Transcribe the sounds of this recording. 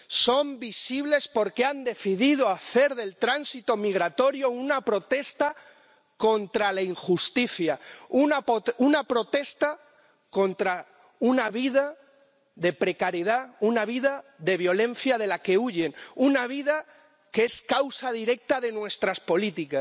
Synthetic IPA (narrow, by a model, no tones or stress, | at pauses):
so̞mbisiβ̞le̞spo̞ɾkeand̪e̞θiðið̞oaθe̞ɾðe̞lt̪ɾansit̪o̞miɣ̞ɾat̪o̞ɾjo̞unapɾo̞t̪e̞st̪a | ko̞nt̪ɾalaiŋxust̪iθjaunapounapɾo̞t̪e̞st̪a | ko̞nt̪ɾa | unaβiða | ðe̞pɾe̞kaɾjiðaunaβ̞iðaðe̞β̞jo̞lẽ̞n̟θjaðe̞lake̞uʝe̞nunaβ̞iða | kee̞skawsaðiɾe̞k̚t̪aðe̞nwe̞st̪ɾaspo̞lit̪ika